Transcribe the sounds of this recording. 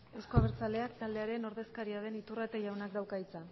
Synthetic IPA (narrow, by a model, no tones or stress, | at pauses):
e̞wsko̞aβeɾt͡sald̪e̞akt̪ald̪e̞aɾe̞no̞ɾð̞e̞skaɾiað̞e̞nit̪urat̪eʝawnakd̪awkait͡sa